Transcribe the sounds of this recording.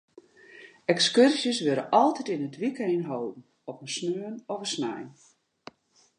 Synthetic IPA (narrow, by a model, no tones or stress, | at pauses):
ɛkskørsjəsʋøɾə̰ʔɔlˠtɛtɪnətʋikejnɦowdn̩ | ɔpənsnøənɔfəsnɛ̰jn